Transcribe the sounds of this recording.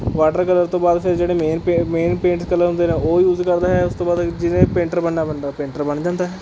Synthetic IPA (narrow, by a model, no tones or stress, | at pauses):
ʋaːʈəɾkələɾt̪õːbaːd̪pʰɪɾd͡ʒeːɽeːmeːnemeːnpẽːɳʈskələɾɦʊ̃nd̪eːnẽːoːjuːzkəɾd̪aːɦɛːʊst̪õːbaːd̪d͡ʒɪnẽːpẽːɳʈəɾbənːaːbənd̪aːpẽːɳʈəɾbəɳd͡ʒãːnd̪aːɦɛː